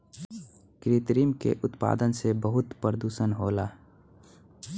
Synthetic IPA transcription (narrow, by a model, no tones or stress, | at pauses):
kɾit̪ɾiːmkḛʔʊt̪pa̰ːd̪ənsebəɦʊt̪pɾəd̪uːsənɦoːlaː